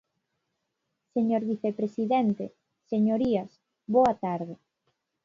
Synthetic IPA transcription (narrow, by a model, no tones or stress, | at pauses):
seɲoɾβiθepɾesiðent̪e | seɲoɾiɐs | boat̪aɾðe